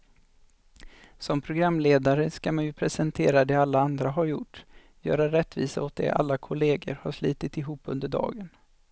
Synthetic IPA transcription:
sɔmpʰɾʊɡɾamːleːd̪aɾəskamanjɵpʰɾɛsɛnt̪ʰeːɾad̪ɛalːaand̪ɾaɦaɾjʊʈː | jœ̰ːɾaɾɛt̪ːvḭːsaɔt̪̚d̪ɛ̰ʔa̰lːakʰʊleːɡə̰ɾhaʂliːt̪ɪt̪ɪɦuːpːɵnd̪əɖɑ̰ːɡən

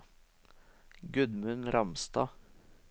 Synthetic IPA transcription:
ɡʉd̪mʉnɾɑmst̪ɑ̰ː

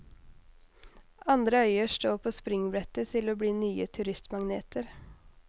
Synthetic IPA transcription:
ʔɑnd̪ɾəœʏəʂʈoːpʰoːspɾɪŋbɾɛt̪ət̪ʰɪloːbɽiːnyːət̪ʰʉɾɪst̪mɑŋnḛːt̪ʰəɾ

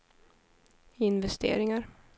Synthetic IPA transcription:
ɪnvɛst̪ʰḛːɾɪŋaɾ

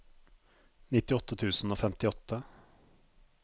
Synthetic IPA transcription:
nɪt̪ɪɔt̪ːət̪ʰʉːsn̩oːfɛmt̪ɪɔt̪ʰːə

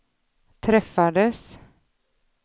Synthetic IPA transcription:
t̪ʰɾɛfːad̪əs

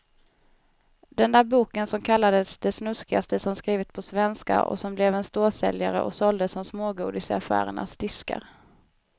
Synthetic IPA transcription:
d̪̥ɛnd̪æːɾbuːkənsɔmkʰalːad̪əsd̪ɛsnɵskɪast̪əsɔmskɾiːvət̪̚pʰɔsvɛnska̰ʔɔ̰sɔmblɛvɛnst̪oːsɛ̰ljaɾə̰ʔɔ̰sɔld̪əsɔmsmoːɡuːd̪ɪsafæ̰ːɾə̰ɳa̰sd̪̥ʏska̰ɾ

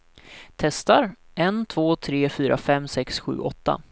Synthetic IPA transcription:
t̪ʰɛst̪aɾɛnt̪ʰvoːt̪ʰɾeːfyːɾʔa̰fɛmːsɛksɧʉ̟ːʔɔt̪ːa̰

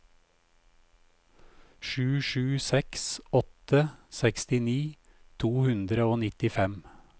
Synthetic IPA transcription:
ʃʉːʃʉːsɛksɔt̪əsɛkst̪ɪniː | t̪ʰuːhʉnd̪ɾəoːnɪt̪ɪfɛm

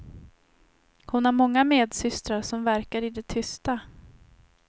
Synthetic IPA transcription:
hʊnaɾmɔŋːameːd̪sʏst̪ɾaɾʂɔmvæɾkaɾɪd̪ɛt̪ʰʏst̪a

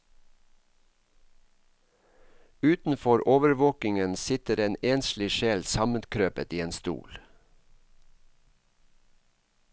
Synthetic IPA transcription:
ʉːt̪n̩fɔɾʔoːʋəɾʋoːkɪŋənsɪt̪əɾeːneːnslɪʃeːlsɑmənkʰɾøːpət̪iːeːnst̪ṵːl

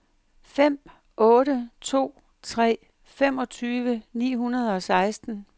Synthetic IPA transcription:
fem̰ | ɔ̽ːɾət͡sʰo̝̰ː | t͡sʰʁɛ̰ː | femɒ̽t͡sʰyːʋənḭːɦunɐð̞̩ˠɒ̽sɑ̈ɪsd̥n̩

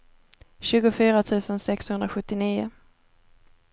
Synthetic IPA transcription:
ɕʉ̟ːɡʊfyːɾat̪ʰʉ̟ːsənsɛkshɵnd̪ɾaɧɵt̪ːɪniːʊ̰

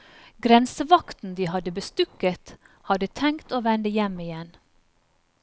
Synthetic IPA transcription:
ɡɾɛnsəʋɑkt̪n̩d̪iːhɑd̪əbəst̪ʉkət̪ | hɑd̪ət̪ʰɛŋkt̪oːʋɛnd̪əjɛmɪjɛn

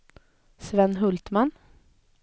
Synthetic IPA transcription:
sʋɛnɦɵlt̪mɑn

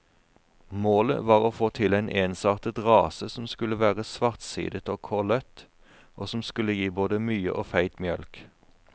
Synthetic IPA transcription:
moːlə̰ʋɑːʁoːfoːt̪ʰɪlæɪnʔeːnsɑːʁt̪ət̪ʁɑːsəsɔmskʉləʋæːʁəsʋɑʁt̪sḭːd̪ət̪oːkʰɔlœt̪ | ʔoːsɔmskʉləjiːboːd̪əmyːə̰ʔoːfæɪt̪mjœlk

